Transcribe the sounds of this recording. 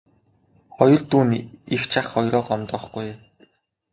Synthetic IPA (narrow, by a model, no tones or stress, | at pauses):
χɔjɞ̆ɮt̪uːnixt͡ɕʰaχɔjɾɔːqɔmt̪ɞ̆χɡuj